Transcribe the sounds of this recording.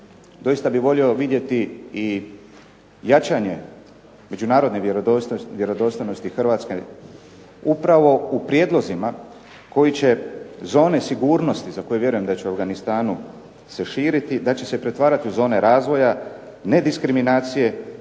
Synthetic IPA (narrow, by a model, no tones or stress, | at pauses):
d̪o̞jist̪abiʋo̞ʎio̞ʋid̪je̞t̪ii | jat͡ʃaɲe̞ | me̞d͡ʑunaːɾo̞d̪ned̪ʋje̞ɾo̞d̪ost̪ojno̞st̪ixrʋaːt̪ske | upɾaʋo̞upɾje̞ːd̪lˠo̞zima | ko̞jit͡ɕe̞zo̞ːne̞siɡuːɾno̞st̪izako̞jeʋje̞ɾujemd̪at͡ɕeuavɡanist̪aːnu | se̞ʃiːɾit̪id̪at͡ɕe̞se̞pɾe̞t̪ʋaːɾat̪iuzo̞ːne̞ɾaːzʋo̞ja | ne̞d̪iskɾiminaːt̪sije̞